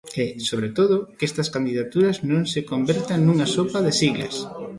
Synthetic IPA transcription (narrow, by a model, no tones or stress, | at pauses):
ɛsoβ̞ɾet̪oðʊkest̪ɐskand̪iðat̪uɾɐznõŋsekombeɾt̪aŋnuŋasopaðesiɣlɐ̰s